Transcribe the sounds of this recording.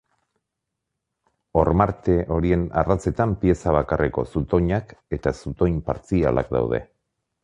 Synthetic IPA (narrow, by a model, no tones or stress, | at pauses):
o̞ɾmaɾt̪e̞ʔo̞ɾie̞na̰rat͡se̞t̪ampie̞saβ̞akarʔeko̞̰sut̪o̞ɲake̞t̪asut̪o̞jɲpa̰ɾt͡sia̰la̰k̚d̪a̰wð̞e̞̰